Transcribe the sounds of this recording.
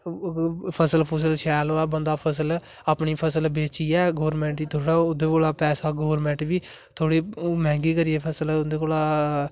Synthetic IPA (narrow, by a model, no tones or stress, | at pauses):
pʰəsəlpʰəs̬əlʃɛːloɛːbənd̪aːpʰəs̬əl | aːpɳiːpʰəsəlbeːt͡ʃiːɛːɡoːɾmɛ̃ːɳʈiːt̪ʰoːɽaːʊd̪eːkoːlaːpɛːsaːɡoːʋɾmɛ̃ːɳʈbiː | t̪ʰoːɽiːmɛ̃ːŋɡiːkəɾiːɛːpʰəsəlʊd̪eːkoːlaː